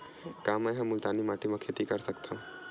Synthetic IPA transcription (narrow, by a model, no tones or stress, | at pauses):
kaːmɛjɦə̃mːʊlt̪aːnimaːʈimãkʰeːt̪ikəɾsəkt̪ʰã